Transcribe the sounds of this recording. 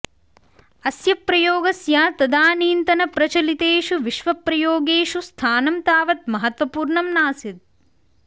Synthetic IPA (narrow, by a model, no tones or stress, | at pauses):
ɐsjɐpɾɐjoːɡɐsjaːt̪ɐd̪aːniːnt̪ɐnɐpɾɐt͡ʃɐlit̪eːʃuʋiʃʋɐpɾɐjoːɡeːʃust̪ʰaːnɐmt̪aːʋɐt̪̚mɐɦɐt̪ʋɐpuːɾɳɐmnaːsit̪̚